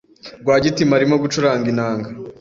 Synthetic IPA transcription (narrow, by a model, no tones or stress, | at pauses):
ɡwaːɟitimaɾimoɡut͡ʃuɾaːŋɡinaːŋɡa